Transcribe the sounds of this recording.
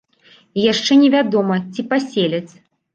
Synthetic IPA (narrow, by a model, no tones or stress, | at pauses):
jaʂt͡ʂɛnʲɛvʲad̪ɔmɐt͡sʲipasʲelʲɐt͡sʲ